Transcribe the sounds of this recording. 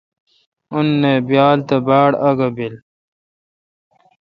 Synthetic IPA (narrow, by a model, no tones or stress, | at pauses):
unːebjaːlt̪ɐbaːɽɐɡɐbil